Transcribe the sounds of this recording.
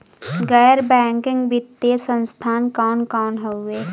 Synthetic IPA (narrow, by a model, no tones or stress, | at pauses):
ɡəjɾbɛːŋkɪ̃ŋɡbɪt̪ːesə̃nst̪ʰaːnkaːnkaːnɦəeː